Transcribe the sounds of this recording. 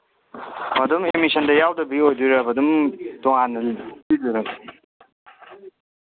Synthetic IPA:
mɐdumemisəndɐjawdɐbiojduɾɐbɐdumtɔŋanɐliduɾɐk

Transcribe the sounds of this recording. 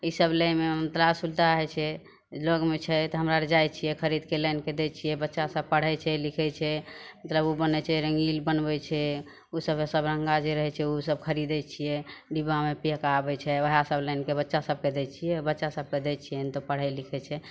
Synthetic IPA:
isəbləmemət̪labsult̪aəɦɛt͡ʃʰɛ | loɡmet͡ʃʰɛt̪ɔɦəmɾaɾd͡ʒajt͡ʃʰijɛkʰəɾid̪keləjnked̪ɛt͡ʃʰijɛbətːʃasəb̚pəɽ̤ɛt͡ʃʰɛlikʰɛt͡ʃʰɛmət̪ləbubənɛt͡ʃʰɛɾəŋɡilbənbɛt͡ʃʰɛ | usəbesəbɾəŋɡad͡ʒeɾəɦɛt͡ʃʰɛusəb̚kʰəɾid̪ɛt͡ʃʰijɛɖibamepijəkabɛt͡ʃʰɛʋəɦasəbləɪnkebətːʃasəb̚ked̪ɛt͡ʃʰijɛbətːʃasəb̚ked̪ɛt͡ʃʰijɛnt̪opəɽ̤ɛlikʰɛt͡ʃʰɛ

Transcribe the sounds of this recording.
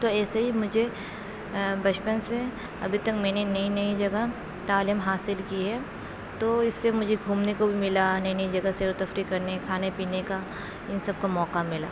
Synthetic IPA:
t̪oɛːsaɦimʊd͡ʒʱe | bɐt͡ʃpənse | ɐ̰bʱit̪ɐkmɛːnenɐinɐid͡ʒɐɡa | t̪aːliːmɦaːsɪlkiɦɛː | t̪oɪsːemʊd͡ʒʱeɡʱuːmnekobʱimɪlanɐinɐid͡ʒɐɡaseːɾot̪ɐfɾikɐɾnekʰaːnepiːneka | ɪnsɐb̚kamɔːkamɪla̰ː

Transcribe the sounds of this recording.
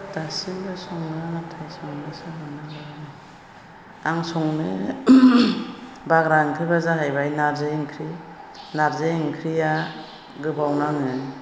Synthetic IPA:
tasinbasɔŋnɯaŋɯtʰajsɔŋnɯsɯmanabaɾɯnɯ | aŋsɔŋnɯ | baɡɾaŋkʰɾibazaɦajbajnaɾzɯiŋkʰɾinaɾzaiŋkʰɾija | ɡɯbawnaŋɯn

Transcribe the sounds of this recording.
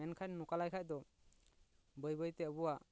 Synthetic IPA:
ɛnkʰanːɔkalajkʰac̚d̪ɔ | bəjbəjt̪ɛbuwaʔ

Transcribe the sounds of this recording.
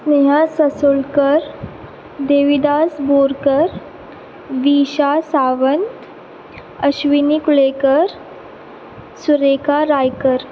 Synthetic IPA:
neɦãsəsulkəɾ | d̪eːʋid̪asboːɾkəɾ | ʋiːɕasaːʋənt̪ | əɕʋinikuɭekəɾ | suɾekaɾajkəɾ

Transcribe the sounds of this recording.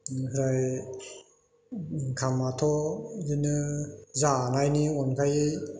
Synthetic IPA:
kʰɯɾaj | kʰamatʰɔdinɯzanajniɔnkʰaj

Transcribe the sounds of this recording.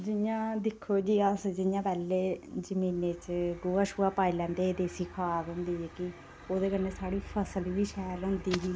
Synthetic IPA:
d͡ʒɪjãːd̪ɪkʰːoːd͡ʒiːəsd͡ʒɪjãːpɛːlːeːd͡ʒəmĩːneːt͡ʃɡoːaːʃuaːpaːiːlɛ̃ːnd̪eːd̪eːsɪkʰaːkɦʊ̃nd̪iːɛːkɪ | oːd̪eːkəɾneːsaːɽiːpʰəsəlʋiːʃɛːlɦʊ̃nd̪iːɦiː

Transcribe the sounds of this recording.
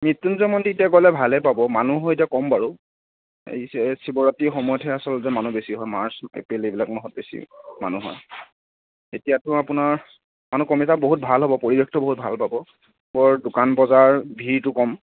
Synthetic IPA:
mitːunzɔmɔnditiakɔlɛbʱalɛpabɔmanuɦɔjet̬iakɔmbaɹu | ḛjsɛsibɔɹatixɔmɔjɔtʰɛasɔlzɛmanubesiɦɔjmaɹsḛpɹilebilaknɔɦɔt̚besḭma̰nuɦɔ̰j | etijatʊapʊnaɹ | manukɔmitaboɦut̚bʱalɦɔbɔpoɹibɔktɔboɦut̚bʱalpabɔ | bɔɹdʊkanbɔzaɹbʱiɹtʊkɔm

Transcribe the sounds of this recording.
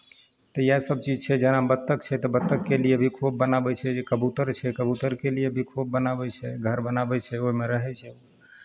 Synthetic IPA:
t̪əjasəb̚t͡ʃid͡ʒt͡ʃʰɛd͡ʒənabət̪ːəkt͡ʃʰɛt̪ɔbət̪ːəkːelijebʱikʰop̚bənabɛt͡ʃʰɛd͡ʒekəbut̪əɾt͡ʃʰɛkəbut̪əɾkelijebʱikʰop̚bənabɛt͡ʃʰɛɡʱəɾbənabɛt͡ʃʰɛoimeɾəɦɛt͡ʃʰɛo

